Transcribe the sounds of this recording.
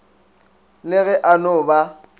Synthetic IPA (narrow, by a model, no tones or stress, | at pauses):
lɪɣɛʔanʊba